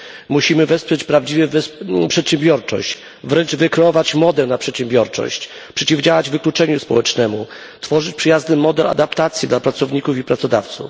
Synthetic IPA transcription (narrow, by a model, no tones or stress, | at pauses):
muɕimɘvɛspʂɛt͡ɕpɾavd͡ʑivɛvpʂɛt̪ɕɛmbʲjɔɾt͡ʂɔ̰ɕt͡ɕ | vɾɛnd͡ʐvɘkɾɛɔvat͡ɕmɔd̪ɛlnapʂɛt̪ɕɛ̃mbʲjɔɾt͡ʂɔ̰ɕt͡ɕ | pʂɛt͡ɕivd͡ʑawad͡ʑvɘklut͡ʂɛɲuspɔwɛt͡ʂnɛmu | t̪fɔʐɘt͡ɕpʂɘjaznɘmɔd̪ɛla̰d̪apt̪at̪sʲjid̪lapɾat̪sɔvɲikufipɾat̪sɔd̪aft̪sṵf